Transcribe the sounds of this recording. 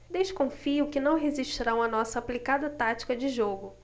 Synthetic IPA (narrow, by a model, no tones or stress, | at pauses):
d̪eʃkõfiʊkɪnɐ̃w̃ɦeziʃt͡ʃiɾãw̃mɐnɔsɐaplikad̪ɐt̪at͡ʃi̥kɐd͡ʒɪʒoɡʊ